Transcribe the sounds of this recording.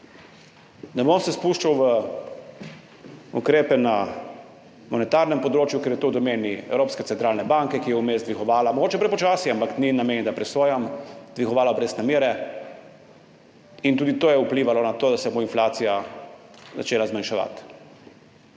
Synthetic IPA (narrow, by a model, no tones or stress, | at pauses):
nɛbomsɛspuːʃt͡ʃawʋə | ṵkɾeːpɛna | mɔnɛt̪aɾnɛmpɔd̪ɾoːt͡ʃjukeɾjɛt̪owd̪ɔmeːniɛ̰wɾoːpskɛt̪sɛnt̪ɾaːlnɛbaŋkɛkijɛumeːzd̪ʋixɔʋaːlamɔɡoːt͡ʃɛpɾɛpɔt͡ʃaːsiampakninameːnɛd̪apɾɛsoːjamd̪ʋixɔʋaːlabɾeːsnameːɾɛ | int̪uːd̪it̪oːjɛupliːʋalɔnat̪oːd̪asɛboinflaːt̪sija | za̰t͡ʃeːlazmanʃaʋa̰t̪